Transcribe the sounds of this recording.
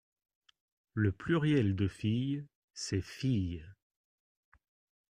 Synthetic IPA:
ləplyʁjɛld̪əfij | sɛfij

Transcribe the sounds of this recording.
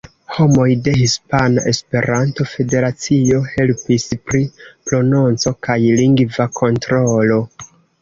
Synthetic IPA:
ho̞mo̞jde̞hispanaʔe̞spe̞ɾanto̞fe̞de̞ɾat͡sio̞he̞lpispɾipɾo̞no̞nt͡so̞kajliŋɡvakʰo̞ntɾo̞lo̞

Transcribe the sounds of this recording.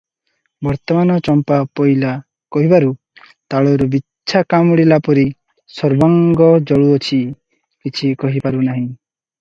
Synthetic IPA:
bɔɾt̪ɔmanɔt͡ʃɔmpapɔjla | kɔɦibaɾu | t̪aɭɔɾubi | ʃʰakamɽilapɔɾi | sɔɾbaŋɡɔd͡ʒɔɭuɔt͡ʃʰi | kit͡ʃʰikɔɦipaɾunaɦĩ

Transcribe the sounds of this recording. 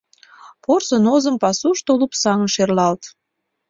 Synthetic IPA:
porsənozəmpɑsuʃt̪olupsɑŋənʃerlɑlt̪

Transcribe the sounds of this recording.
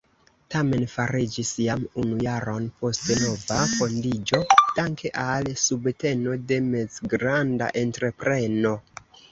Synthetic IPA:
tame̞nfaɾid͡ʒisjamunujaɾo̞npo̞steno̞vafo̞ndid͡ʒo̞d̥aŋkʰe̞ʔalsubte̞no̞de̞me̞zɡɾanda̰ʔe̞ntɾe̞pɾe̞no̞

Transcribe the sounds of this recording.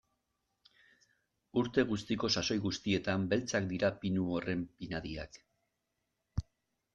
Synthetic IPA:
uɾt̪e̞ɣ̞ust̪iko̞saso̞jɣust̪ie̞t̪ambe̞lt͡sak̚d̪iɾapinuo̞re̞mpinaðia̰k

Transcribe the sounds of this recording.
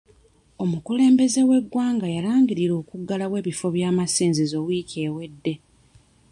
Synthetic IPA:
o̞mukule̞ːmbe̞ze̞we̞ɡːwaːŋɡajalaːŋɡiɾiɾo̞ːkuɡːalawe̞ːβifo̞βjaːmasiːnzizo̞wiːceːwe̞dːe̞

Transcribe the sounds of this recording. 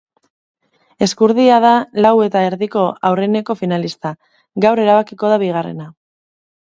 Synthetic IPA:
e̞skuɾðiað̞alawe̞t̪aeɾðiko̞ʔawre̞ne̞ko̞finalist̪a | ɡawɾe̞ɾaβakiko̞ðaβiɣ̞are̞̰na

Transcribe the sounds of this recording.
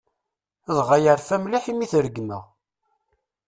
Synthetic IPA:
ðˤʁajəɾfæmliħimiθɾəɡmə̰ʁ

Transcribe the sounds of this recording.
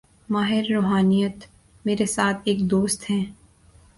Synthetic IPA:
maːɦɪɾːoːɦaːnijət̪ | meːɾesaːt̪ʰeːkd̪oːst̪ɦɛ̃ː

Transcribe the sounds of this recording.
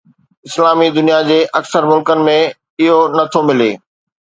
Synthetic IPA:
ɪslaːmid̪ʊnijad͡ʑeːʔɐksəɾmʊlkənɪ̆mẽ | ɪɦonɐt̪ʰomɪleː

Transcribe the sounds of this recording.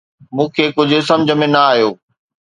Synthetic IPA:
mũːkʰeːkʊd͡ʑʱʊ̆sɐ̃md͡ʑʱə̆mẽnɐaːɦjoː

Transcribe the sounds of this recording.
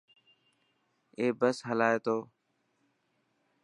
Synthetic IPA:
eːbəsɦəlaːeːt̪oː

